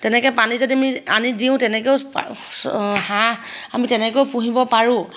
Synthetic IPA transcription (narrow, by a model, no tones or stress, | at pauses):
tɛnɛkɛpanizodiamianidiʊ̃tɛnɛkeʊ̰ | hãamitɛnɛkoʊpuɦibɔpaɹʊ̃